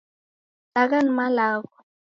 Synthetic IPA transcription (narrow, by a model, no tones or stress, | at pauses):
lakanmalaːkɔ̥